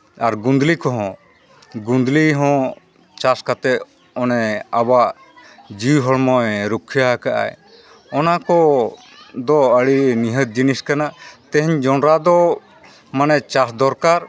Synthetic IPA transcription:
aɾɡund̪likɔɦɔ̃ | ɡund̪liɦɔ̃ | t͡ʃaskat̪ɛ | ɔnɛabaʔ | d͡ʒiwɦɔɭmɔjɾukʰːijakaʔa̰j | ɔnakɔ | d̪ɔəɽiniɦət̪̚d͡ʒiniskanaʔt̪ɛ̃ɦɛɲd͡ʒɔnɾad̪ɔ | manɛt͡ʃasd̪ɔɾkaɾ

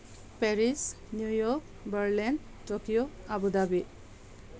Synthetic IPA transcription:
pɛɾis | njujɔk̚ | bəɾlɛn | tɔkijɔabud̪abi

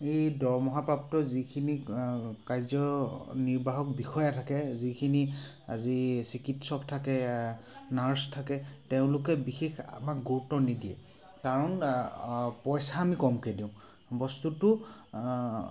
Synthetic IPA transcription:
ejdɔɹmɔɦapɹaptɔzikʰinikajzɔniɹbaɦɔkbixɔjatʰakɛzikʰini | a̰zisikitsɔktʰakɛ | naɹstʰakɛteʊ̃lʊkɛbixexa̰makɡuutɔnidiɛ̰ | kaɹɔn | pɔjsaːmikɔmkediʊ̃ | bɔstutʊ

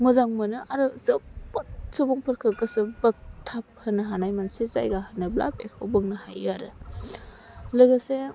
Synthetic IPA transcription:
muzaŋmɯnɯʔaɾɯzɯpɔt̚sɯbuŋpʰɯɾkʰɯkɯsɯbɐk̚tʰap̚hɯnɯɦanajmansiza̰jɡahɯnɯbla̰pḛkʰowbɯŋnɯhajaɾɯ | lɯɡɯse

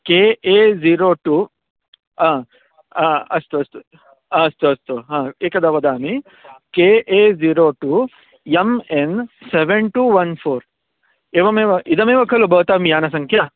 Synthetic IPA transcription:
keːʔeːziːɾoːʈu | ãː | ãːɐst̪uɐst̪u | ãːɐst̪uɐst̪uɦãːeːkɐd̪aʋɐd̪aːmi | keːʔeːziːɾoːʈuː | jemenseʋeɳʈuːʋɐnpʰoːɾ | eːʋɐmeːʋɐʔid̪ɐmeːʋɐkʰɐlobɐːt̪aːmijaːnɐs̬ɐŋkʰjaː

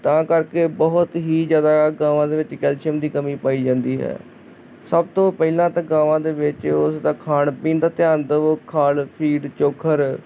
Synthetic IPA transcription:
t̪ãːkəɾkeːbəɦʊt̪ɦiːzjaːd̪aːɡãːʋãːd̪eːʋɪt͡ʃkɛːlʃəmd̪iːkəmiːpaːiːd͡ʒãːnd̪iːɦɛ̰ː | səb̚t̪õːpɛilãːt̪ãːɡãːʋãːd̪eːʋɪt͡ʃʊsd̪aːkʰaːɳpĩːnd̪aːt̪ɪjaːnd̪əʋkʰaːlpʰiːɖt͡ʃoːkʰːəɾ

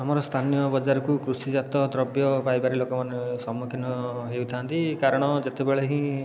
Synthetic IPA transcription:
amɔɾɔst̪ʰanijɔbɔd͡ʒaɾɔkukɾusid͡ʒat̪ɔd̪ɾɔbjɔpajbaɾilokɔmanesɔmukʰinɔɦeut̪ʰiant̪ikaɾɔɽ̃ɔd͡ʒet̪ebeɭeɦĩ

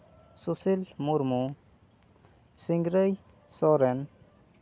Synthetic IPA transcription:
susilmuɾmu | siŋɡɾəj | sɔɾɛn

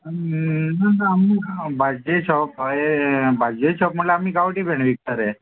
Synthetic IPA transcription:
nanaːmibʱad͡ʒet͡ʃʰɔpebʱad͡ʑet͡ʃʰɔpm̤əʈleamikaʋʈibʱɛɳ̃ʋik̚t̪əɾɛ

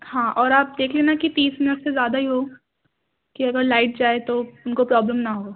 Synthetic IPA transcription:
hãːʔɔːɾaːp̚d̪eːkʰleːnakit̪iːsmɪnɪʈsezjaːd̪aɦiɦoː | kiɐɡəɾlaːɪʈ̚d͡ʒaːet̪oʊnkopɾɔːbləmnaɦoː

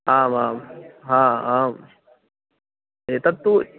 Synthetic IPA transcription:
aːmaːmɦãːaːm | et̪ɐt̪ːu

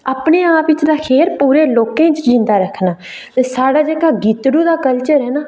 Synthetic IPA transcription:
aːpneːãːpɪt͡ʃd̪aːkʰeːɾpuːɾeːloːkẽːt͡ʃd͡ʒɪ̃nd̪aːɾəkʰːnaː | t̪eːsaːɽaːd͡ʒeːkaːɡiːt̪ɽuːd̪aːkəlt͡ʃəɾɦɛːnaː

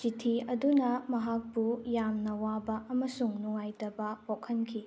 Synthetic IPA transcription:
t͡ʃitʰiɐdunɐmɐɦak̚pujamnɐwabɐʔɐmɐsuŋnuŋajtɐbɐpokʰɐnkʰi

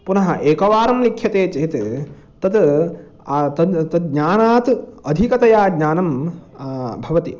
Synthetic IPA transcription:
punɐɦɐʔeːkɐʋaːɾɐmlikʰjɐt̪eːt͡ʃɐɦit̪ | t̪ɐt̪ | t̪ɐt̪ɐɡɲaːnaːt̪ɐd̪ʱikɐt̪ɐjaːɡɲaːnɐm | bʱɐʋɐt̪i

